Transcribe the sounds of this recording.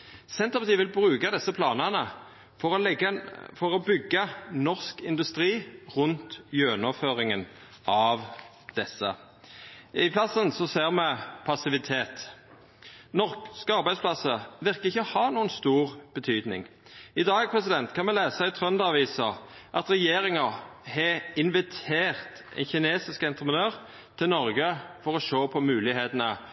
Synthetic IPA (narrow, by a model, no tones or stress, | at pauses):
sɛnt̪ɑpɑt̪iːʋɪlbʁʉːkɑd̪ɛsːəpʰlɑːnɑnə | fɔɾɔlɛɡəfɔʁɔbʏɡːənɔʁskɪnd̪ʉst̪ʁiːʁʉnt̪jøːnɔføːʁɪŋən | ʔɑʋ | d̪̥ɛsːə̰ | ɪpʰlɑsːənsɔseːʁmɛpʰɑsɪʋɪt̪ʰeːt̪ | nɔʁkskəɑʁbæɪspʰlɑsəʋɪʁkəɪçːəhɑːnuːənst̪uːʁb̥ət̪ʰyːd̪nɪ̰ŋ | ɪd̪ɑːɡ̚pʰɾɛs̬ɪd̪ɛnt̪kʰɑnmɛleːsəæɪt̪ʰɾœnd̪ɑʋiːsəʔɑt̪ɾɛjeːɾɪŋəhɛɪnʋɪt̪ʰeːʁt̪ | ɛ̰nçɪneːsɪskɛnt̪ʁəpʰənøːʁ | t̪ʰːɪlnɔɾɡəfɔʁɔʃoːpʰɔmʉːlɪheːt̪ənə